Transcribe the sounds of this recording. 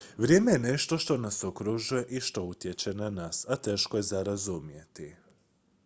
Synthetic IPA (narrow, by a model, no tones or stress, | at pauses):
ʋɾje̞ːme̞je̞ne̞ʃt̪o̞ʃt̪o̞naso̞kɾuʒuje̞ʔiʃt̪o̞ut̪je̞t͡ɕe̞nanaːsat̪e̞ːʃkoje̞zaɾazumje̞t̪i